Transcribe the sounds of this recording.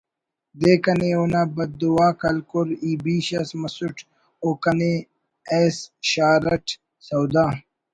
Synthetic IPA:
d̪eːkɐneonaːbɐd̪̚ːuwaːkɐlkuɾiːbiːɕɐsmɐsuʈ | oːkɐne | esɕaːɾɐʈʰ | sɐwd̪aː

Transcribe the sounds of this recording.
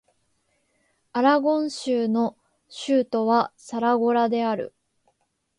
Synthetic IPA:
aɾaɡõ̞ɰ̃ɕɨːno̞ | ɕɨːt̪o̞βasaɾaɡo̞ɾad̪e̞aɾɯ̰

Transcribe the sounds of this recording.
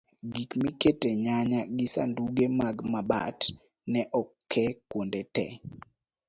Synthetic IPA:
ɡikmiketeɲaɲaɡɪsa̰nduɡemaɡmaba̰t | nɛʔɔkʰːɛkwondetɛ̰

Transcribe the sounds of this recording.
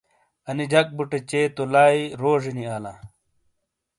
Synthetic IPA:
ɐnid͡ʑʱɐk̚buʈet͡ɕeːt̪olaːiɾoːʐiniaːla

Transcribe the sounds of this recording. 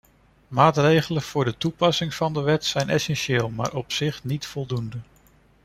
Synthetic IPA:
maːtrejχələnv̥ʊːɹdətupɑsɪŋv̥ɑndəʋɛtsɛjnɛsɛnʃeːlˠma̰ːɹʔɔpsɪχnitfɔlˠdundə

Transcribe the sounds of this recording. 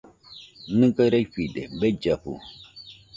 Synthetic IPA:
nɨkaɾajkidḛbed͡ʒapṵ

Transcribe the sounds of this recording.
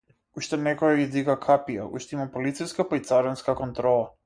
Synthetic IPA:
uʃt̪ɛnɛkɔɡaɡid̪iɡakʰapija̰ṵʃt̪ɛimapolit̪sijskapait̪saɾɔnskakɔnt̪ɾɔlˠa

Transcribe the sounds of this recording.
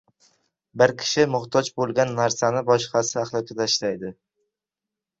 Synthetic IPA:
bɪɾkʲʰɪ̥ʃɪmʊχt̪ʰɒd͡ʒbolˠɡʲanːaɾsanɪbɒʃqɑsɪaχlˠɒkʲʰat̪ʰaʃlajd̪ɪ

